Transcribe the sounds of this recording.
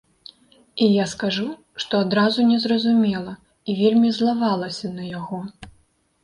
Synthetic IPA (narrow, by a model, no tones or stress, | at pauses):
ijaskaʐu | ʂt̪ɔad̪ɾazunʲɛzrɐzumʲɛlˠɐ | ivʲelʲmʲizlˠavalˠɐsʲɐnɐjaɣɔ